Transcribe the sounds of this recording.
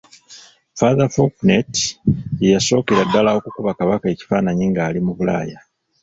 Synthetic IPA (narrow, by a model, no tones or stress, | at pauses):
faðafoknet | jaso̞ːkeɾadːalawo̞kukuβakaβakae̞ci̥faːnaɲiŋɡaːlimuβula̰ːja